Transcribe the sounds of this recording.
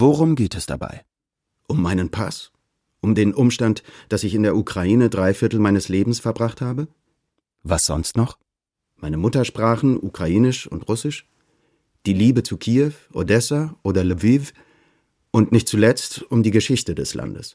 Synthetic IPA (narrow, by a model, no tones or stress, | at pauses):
voʁʊmɡeːtɛsd̥a̰ba̰ɪ | ʔʊmːaɪnənpʰa̰s | ʔʊmdeːnʔʊmʃtantd̥asɪçɪndeːɐukʁ̥aiːnədʁaɪfɪɐtl̩maɪnəsleːbm̩sfɛɐbʁaχthaːbə | vasz̥ɔ̰nstnɔχ | maɪnəmʊtɐʃpʁ̥aːχn̩ʔukʁ̥aʔiːnɪʃʊ̰ntʁʊsɪʃ | d̥iːliːbət͡sukʰiːɛfʔo̰dɛsaʔoːdɐluviv | ʔʊntnɪçt̚t͡sulɛt͡stʊmdiːɡəʃɪçtədɛsla̰ndə̰s